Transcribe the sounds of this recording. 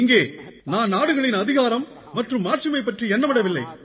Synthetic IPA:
ɪŋɡeːnaːnnaːɽɯɣɐɭɪnɐðɪɣaːɾɐmː | ɐʈrɯmːaːʈrimɐɪpːɐʈriɛnːɐmɪɽɐʋɪlːɐɪ

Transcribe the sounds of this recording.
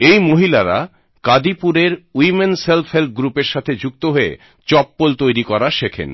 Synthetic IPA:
ejmoɦilaɾa̰ | kad̪ipuɾeɾwimenselfɦelt̪̚ɡɾupeɾʃat̪ʰed͡ʑuk̚t̪oɦoḛ | t͡ɕɔpːolt̪ojɾikɔɾaʃekʰḛn

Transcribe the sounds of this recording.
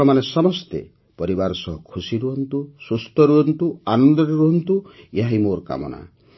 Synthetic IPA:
ɔmanesɔmɔst̪ḛ | pɔɾibaɾɔsɔɦɔkʰusiɾuɦɔnt̪usust̪ʰɔɾuɦɔnt̪uanɔnd̪ɔɾeɾuɦɔnt̪ujaɦimoɾka̰mɔ̰na̰

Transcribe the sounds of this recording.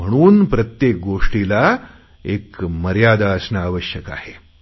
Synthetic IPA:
m̤əɽ̃uːnpɾət̪jek̚ɡoʂʈila | ekməɾjad̪aəsnaːʋəɕjəka̰he

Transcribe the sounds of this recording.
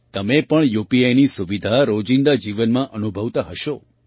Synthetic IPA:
t̪əmepəɳjupiajnisuʋid̪ʱaɾod͡ʒĩnd̪ad͡ʒiʋənmãʔənubʱəʋt̪aɦəʃo

